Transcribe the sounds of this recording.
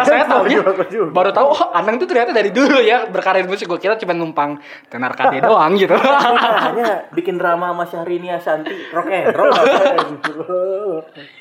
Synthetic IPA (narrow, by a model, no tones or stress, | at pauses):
sajat̪auɲaakd͡ʒubaɾut̪auanaŋt̪ut̪əɾijat̪adaɾiduɾujabərkaɾaɾimusɪɡuakit̪at͡ʃumat̪ŋumpaŋ | t̪ənarkaidoaŋɡit̪u | ɲabikɪnramamasaaɾiniasant̪irɔkɛɾɔ